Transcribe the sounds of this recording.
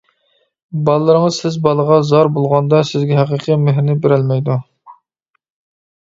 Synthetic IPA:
bɑlˠɨlˠɨɾɨŋəz̥sɪzbɑlˠəʁɑzɑɾbolˠʁɑnd̪ɑsɪzɡʲɛɦæqəqʰəmeɦɾnɪbeɾælmɛjd̪u

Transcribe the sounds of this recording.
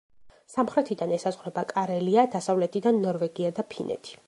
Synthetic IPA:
samχɾɛt̪ʰid̪anɛsazʁɾɛbakʼaɾɛliad̪asavlɛt̪ʰid̪anːɔɾvɛɡiad̪apʰinʔɛ̰t̪ʰi̥

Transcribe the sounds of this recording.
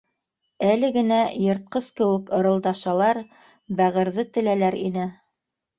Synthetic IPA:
ælɘɡɘ̆næjŏɾt̪̚qɤskɘ̆wɘ̆kŏɾɤ̆lˠd̪ɑʃɑlˠɑɾ | bæʁɘ̆ɾðɘt̪ɘ̆lælæɾinɘ

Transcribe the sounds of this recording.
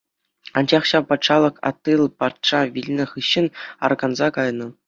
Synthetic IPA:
ɑnd͡ʑɑχɕɑpɑt̪ʂɑlˠɤ̆kɑ̰t̪ːɯlˠpɑt̪ʂɑʋʲilʲnʲɘ̆χɯɕːɘ̆nɑ̰rɡɑnzɑkɑjnɤ̆

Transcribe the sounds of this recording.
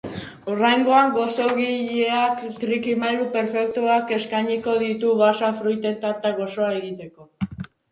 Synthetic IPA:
orajŋɡo̞aŋɡo̞so̞ɣiʎeakt̪ɾikimajɣupe̞ɾfe̞k̚t̪uake̞skajɲiko̞ðit̪uβasafɾujt̪e̞nt̪aɾt̪aɣo̞so̞ae̞ɣit̪e̞ko̞

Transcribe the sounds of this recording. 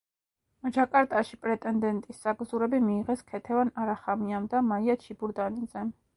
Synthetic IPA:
d͡ʒakʼaɾt̪ʼaʃipʼɾɛt̪ʼɛnd̪ɛnt̪ʼisːaɡzuɾɛbimiːʁɛskʰɛt̪ʰɛvanaɾaχamiamd̪amaiat͡ʃʰibuɾd̪anid̪zɛ

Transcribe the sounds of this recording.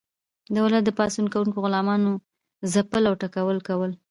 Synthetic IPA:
d̪awlat̪̚d̪əpɑsunkawuŋkoɣʊlɑmɑno | zapəlawʈakawəlkawəl

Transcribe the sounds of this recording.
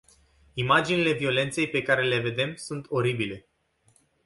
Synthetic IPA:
imad͡ʒinile̞vio̞le̞nt̪se̞jpe̞kaɾe̞le̞ve̞d̪e̞msunt̪o̞ɾibile̞

